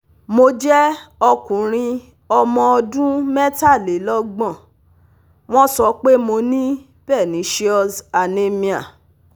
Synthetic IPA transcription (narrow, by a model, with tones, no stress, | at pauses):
mo˧d͡ʒɛ˦ɔ˧kũ˨ɾ̃ĩ˧ | ɔ˧mɔ̃˧ɔ˧dũ˦mɛ˦ta˦˨le˨˦lɔ˦ɡ͡bɔ̃˦˨ | w̃ɔ̃˦sɔ˧˦k͡pe˦mo˧nĩ˦ | b̥ɛ˦˨nĩ˨˦ʃi˦ɔ˦˧sa˨ne˦mĩ˧a˨